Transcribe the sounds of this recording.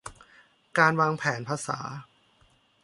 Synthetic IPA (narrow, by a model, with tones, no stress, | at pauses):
kaː˧nwaː˧ŋpʰɛː˩˦npʰaː˧sa̰ː˩˦